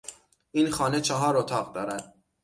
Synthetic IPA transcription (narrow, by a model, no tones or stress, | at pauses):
ʔiːnxɒːne̞t͡ʃʰeɦɒːɾot̪ʰɒːʁd̪ɒːɾæd̪̥̚